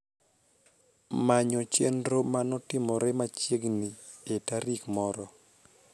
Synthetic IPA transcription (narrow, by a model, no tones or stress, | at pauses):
maɲɔt͡ʃendɾomanɔtɪmɔɾɛmat͡ʃeɡnietaɾikmɔɾɔ